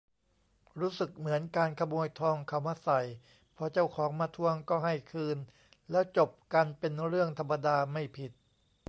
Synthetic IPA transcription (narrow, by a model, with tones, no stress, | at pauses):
ɾuː˦˥sɯ˨˩k̚mɯ˩˦ənkaː˧nkʰa˧muː˧əjt̪ʰɔː˧ŋkʰa˧˩wmaː˧sa˨˩j | pʰɔ˧t͡ɕa˥˩wkʰɔː˩˦ŋmaː˧t̪ʰu˧əŋkɔː˥˩ɦa˥˩jkʰɯː˧n | lɛː˦˥wt͡ɕo˨˩p̚ka˧npe˧nɾɯ˥˩əŋt̪ʰa˧mːa˧daː˧ma˥˩jpʰi˨˩t̪̚